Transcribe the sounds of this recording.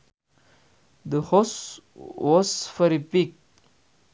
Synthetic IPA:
d̪əhɔs | wɔzfɔɾipik̚

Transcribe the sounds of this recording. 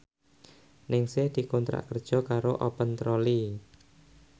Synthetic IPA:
nɪŋsɪhd̪̥i̤kont̪ɾa̰ʔkərd̥ʒ̥ɔ̤kaɾoʔɔpənt̪ɾɔli

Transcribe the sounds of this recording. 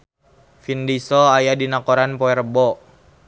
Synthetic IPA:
findisɔajadinakoɾanpɔɛrbɔ

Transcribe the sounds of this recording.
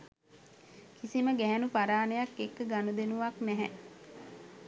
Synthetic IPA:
kisiməɡɛɦænupaɾaːnejakːekːəɡanud̪enuʋaknɛɦɛ

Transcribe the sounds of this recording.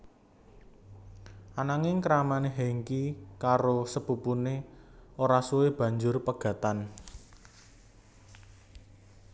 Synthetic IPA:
ʔanaŋɪŋkɾamaneɦeŋkikaɾosəpupuneoɾasuweb̥ä̤ɲd͡ʒʊrpəɡ̥ä̤t̪an

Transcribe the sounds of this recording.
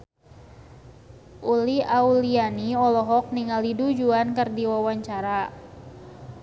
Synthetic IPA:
ʔuliaulianiɔlɔɦɔk̚niŋalidud͡ʒuankərdiwawaɲt͡ʃaɾa

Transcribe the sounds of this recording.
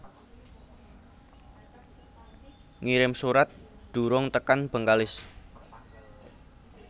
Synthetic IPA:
ŋiɾɪmsuɾat̪̚d̪̥ṳɾʊŋt̪əkanb̥ə̤ŋkalɪs

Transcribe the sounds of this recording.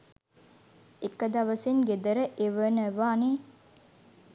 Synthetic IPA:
ekəd̪ɐʋəseŋɡed̪əɾəʔeʋənəʋaːne

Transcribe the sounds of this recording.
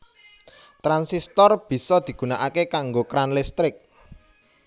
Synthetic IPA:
t̪ɾansist̪ɔrb̥i̤sɔd̪̥i̤ɡ̥ṳnaʔakekaŋɡokɾanlɪst̪ɾɪk̚

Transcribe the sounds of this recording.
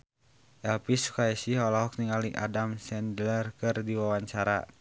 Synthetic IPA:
ʔɛlpisu̥kaɛsihɔlɔɦɔk̚niŋaliʔadamsɛndlɛrkɨrdiwawaɲt͡ʃaɾa̰

